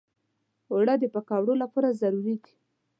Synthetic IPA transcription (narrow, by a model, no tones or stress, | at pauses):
oɽad̪əpakɑwɽolapɑɾazaɾuɾiɡi̥